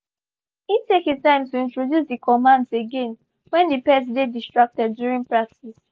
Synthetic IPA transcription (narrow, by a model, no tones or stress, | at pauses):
itekitãɪ̃mtuĩntɹodjusdikʰɔmãndseɡẽn | wɛ̃ndipɛs̬dedistɹak̚tɛdːjuɹĩŋpɹak̚tis